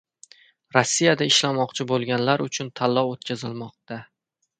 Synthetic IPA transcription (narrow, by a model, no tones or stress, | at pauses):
ɾosːijad̪aɪʃlamɒqt͡ʃʰɪbolˠɡʲanlaɾʊt͡ʃʰʊnt̪ʰalːɒwot̪kʲʰazɪlmɒq̚t̪a